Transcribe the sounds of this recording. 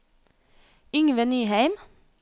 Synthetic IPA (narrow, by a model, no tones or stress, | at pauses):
ʏŋʋənyːhæɪm